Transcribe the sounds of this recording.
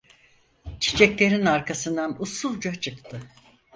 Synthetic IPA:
t͡ʃʰi̥t͡ʃʰɛclʲe̞ɾinaɾkʰasɯnd̪anusulˠd͡ʒat͡ʃʰɯkt̪ʰɯ

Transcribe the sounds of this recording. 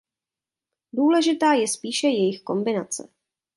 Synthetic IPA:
duːlɛʒɪt̪aːjɛspiːʃɛjɛjɪxko̞mbɪnat͡sɛ̰

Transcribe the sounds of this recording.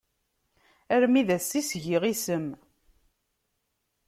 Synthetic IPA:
æɾmiðæsːisʝiʁisəm

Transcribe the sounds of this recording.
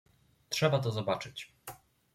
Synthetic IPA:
tʂɛbat̪ɔzɔbat͡ʂɘt͡ɕ

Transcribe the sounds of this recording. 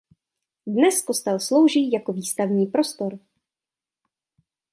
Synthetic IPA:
dnɛskost̪ɛlslo̞wʒiːjako̞viːst̪avɲiːpɾo̞st̪oɾ

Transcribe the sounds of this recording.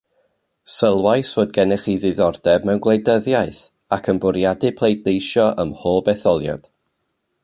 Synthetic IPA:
səlˠwajsvoːd̚ɡɛnɪχiðɪðɔrd̥ɛbmɛwnɡlˠejdəðjaɨθ | akʰənbʊɾjadɨpʰlˠejdnejʃjɔʔəmhoːlˠbɛθɔlˠja̰d̥

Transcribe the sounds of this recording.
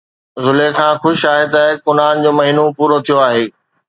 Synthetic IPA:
zʊlekʰãːxʊʃaːɦet̪ɐkʊnaːnd͡ʑoːmɐɦiːnopuːɾot̪ʰijoaːɦeː

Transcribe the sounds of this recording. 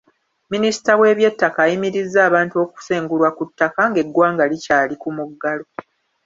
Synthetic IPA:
minisi̥tawe̞ːβje̞tːakaːjimiɾizːaːβaːntuo̞ːku̥se̞ːŋɡulwakutːakaŋɡe̞ɡwaːŋɡalicaːlikumuɡːalo̞

